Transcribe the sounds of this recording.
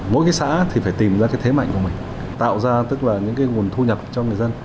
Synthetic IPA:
mo̰˧˥jkaː˨˦jsa̰ː˧˥t̪ʰi˨˩faː˧˩jt̪i˨˩mzaː˧kaː˨˦jt̪ʰe˨˦ma̰˧˨jŋku˧˩əmï˨˩ŋ̟ | t̪a̰ː˧˨wzaː˧t̪ɨ˦˥k̚laː˨˩ɲɨ̰˧˥ŋkaː˨˦jŋu˨˩ənt̪ʰu˧ɲə˨˩p̚t͡ɕɔ˧ŋɨ˨˩əjzə˧n

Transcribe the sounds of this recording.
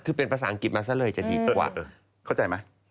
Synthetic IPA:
t̪ʰɯː˧˩pe˧npʰa˧saː˨˩ʔŋki˨˩t̪̚maː˧s̬aː˥˩˨lɤː˧jt͡ɕa˨˩diː˧kwa̰ː˨˧˩ | kʰa˥˩wt͡ɕa˧jma˦˥j

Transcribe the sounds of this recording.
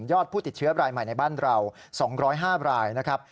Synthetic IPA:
jɔː˥˩t̪̚pʰuː˥˩t̪i˨˩t̪̚t͡ɕʰɯ˦˥ɐɾaː˧jma˨˩jna˧jbaː˥˩nɾa˧w | sɔː˩˦ŋɾɔː˦˥jɦaː˥˩ɾaː˧jna˦˥kʰɾa˦˥p̚

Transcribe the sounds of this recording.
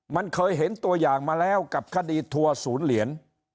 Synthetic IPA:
ma˧˩ŋkʰəː˧˩jɦe˨˦˥nt̪u˧əjzaː˨˩ŋmaː˧˩lɛ˧˥wka˨˩p̚kaː˦˧˥ɗi˧t̪ʰu˧əsu˧˦ənli˧˦ən

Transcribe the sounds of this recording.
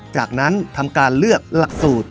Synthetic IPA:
t͡ɕaː˨˩k̚na˦˥nt̪ʰa˧mkaː˧nlɯ˥˩ək̚la˨˩k̚suː˨˩t̪̚

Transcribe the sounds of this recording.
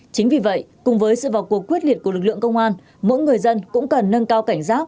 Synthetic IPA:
t͡ɕï˨˦ŋ̟vi˨˩və̰˧˨jkʊ˨˩ŋ͡mvəː˨˦jsɨ̰˧˨vaː˨˩wku˨˩əkːwi˦˥ət̚li˨˩əku˩əlɨ˨˩k̚lɨ̰˧˨əŋkə˧wŋ͡mʔaː˧n | mo̰˧˥jŋɨ˨˩əjzə˧nkʊ̰˧˥ŋ͡mkə˨˩nːə˧nkaː˧wka˧˩jŋ̟saː˦˥t̚

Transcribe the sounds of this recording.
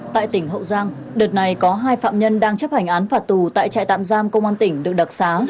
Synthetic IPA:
t̪a̰ː˧˨jt̪ï˧˩ŋ̟ɦə̰˧˨wzaː˧ŋ | ɗɨ˨˩t̚na˨˩jkɔ˨˦ɦaː˧jfa̰ː˧˨mɲə˧nɗaː˧ŋt͡ɕə˦˥p̚ha˧˩jŋ̟ʔaː˨˦nfaː˨˩t̚t̪u˨˩t̪a̰ː˧˨jt͡ɕa̰ː˧˨jt̪a̰ː˧˨mzaː˧mkə˧wŋ͡mʔaː˧nt̪ï˧˩ŋ̟ɗɨ˨˩ək̚ɗa˨˩t̚saː˨˦

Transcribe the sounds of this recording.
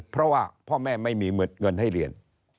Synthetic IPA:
pʰɾɔ˦˥waː˥˩pʰɔː˥˩mɛː˥˩ma˥˩jmiː˧˩˦nŋɤ˧nha˥˩jɾi˧ən

